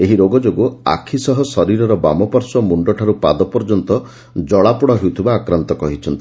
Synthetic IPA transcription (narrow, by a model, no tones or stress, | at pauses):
eɦiɾoɡɔd͡ʒoɡɔa̰kʰisɔɦɔsɔɾiɾɔɾɔba̰mɔpɔɾsɔmuɳɖɔʈʰaɾupad̪ɔpɔɾd͡ʒɔnt̪ɔ | d͡ʒɔɭapɔɽaɦewt̪ʰibaːkɾant̪ɔkɔɦit͡ʃʰɔnt̪ii